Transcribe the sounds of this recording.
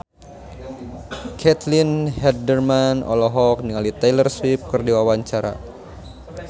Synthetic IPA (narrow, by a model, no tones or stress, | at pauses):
kʰɛt̪linɦɛdərmanɔ̰lɔɦɔk̚niŋalit̪ajlərswip̚kɨrdiwawaɲt͡ʃaɾa̰